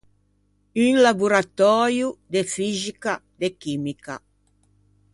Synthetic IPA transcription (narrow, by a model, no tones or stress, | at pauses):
yŋlabuɾat̪ɔɾjud̪efizika | d̪ekimika̰